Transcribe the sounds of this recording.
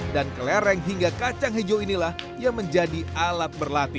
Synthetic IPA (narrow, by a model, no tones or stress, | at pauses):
dankəlɛɾɛŋɦiŋɡakat͡ʃaŋɦed͡ʒoinilah | jaŋməɲd͡ʒadialat̪̚bərlat̪i